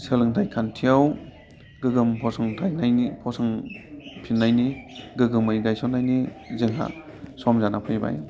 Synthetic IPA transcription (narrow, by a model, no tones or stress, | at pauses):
selɯŋtʰajkʰantʰijaw | ɡɯɡɯmpʰɔsɯŋtʰajnajipʰɔsɯŋ | pʰinːajniɡɯɡɯmɯjɡajsɔnːajnizɯŋɦa̰ | sɔmzanapʰɯjba̰j